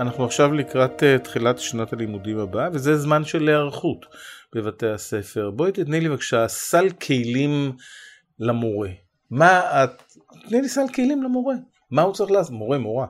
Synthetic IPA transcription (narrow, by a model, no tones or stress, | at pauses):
anaχnuaχʃavlikʁat̪etχilatʃanatalimudimhabaavezezmanʃe̞leaʁχutb̥evate̞hase̞fe̞ʁbo̞jt̪itnilivakʃasalkʰejlim | lamo̞ʁe̞ | ma | t̪nilisalkejlimlamo̞ʁe̞ | mahut͡saʁiχlaasmo̞ʁe̞mo̞ʁa